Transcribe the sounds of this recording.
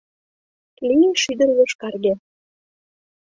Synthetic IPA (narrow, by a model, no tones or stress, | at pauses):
linʃyd̪ə̆rloʃkɑrɣe